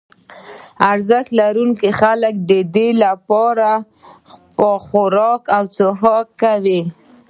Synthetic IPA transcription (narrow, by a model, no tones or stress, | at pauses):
aɾzaxlaɾuŋkixaləkd̪əd̪elapɑɾa | pəxʊɾɑkawt͡səɦɑkːawi